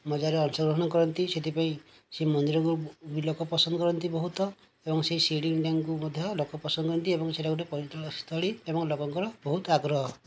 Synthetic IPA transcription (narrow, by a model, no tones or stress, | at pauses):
mɔd͡ʒaɾeɔnsɔɡɾɔɦɔɽ̃ɔkɔɾɔnt̪iset̪ipaĩ | semɔnd̪iɾɔkubilɔkɔpɔsɔnd̪ɔkɔɾɔnt̪ibɔɦut̪ɔ | ebɔŋseisiɽiŋɖaŋkumɔd̪ʱjɔlokɔpɔsɔnd̪ɔkɔɾɔnt̪iebɔŋseʈaɡuʈepɔɾit̪ɔɭɔst̪ɔɭiebɔŋlokɔŋkɔɾɔbɔɦut̪aɡɾɔɦɔ